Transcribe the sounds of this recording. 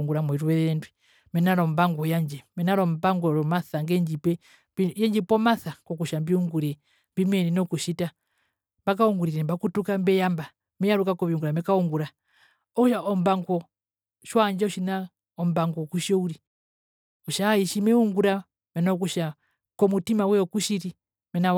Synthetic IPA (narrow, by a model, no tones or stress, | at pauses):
ŋɡuɾamwɛiɾuɛɾɛɾɛndwɛ | mɛnaɾɔmbaŋɡɔjaɲd͡ʒɛmɛnaɾɔmbaŋɡɔɾɔmaθaŋɡɛɲd͡ʒipɛ | bjɛɲd͡ʒipɔmaθakɔkuʃambiuŋɡuɾɛ | mbimɛninɔkuʃita | mbak̬auŋɡuɾiɾɛmbakutukambɛjamba | mɛjaɾukakɔβiuŋɡuɾamɛkauŋɡuɾa | ɔkuʃaʔɔmbaŋɡɔ | ʃwaɲd͡ʒɛuʃina | ɔmbaŋɡɔkuʃɔuɾi | ɔʃaiʃimɛuŋɡuɾa | mɛnaɔk̬uʃa | kɔmutimawɛɔkuʃiɾi | mɛna